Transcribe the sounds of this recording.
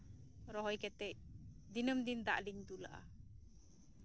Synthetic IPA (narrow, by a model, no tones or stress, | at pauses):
ɾɔɦɔjkɛt̪ɛʔ̚d̪inəmd̪ind̪a̰ʔliɲd̪ula̰ʔa̰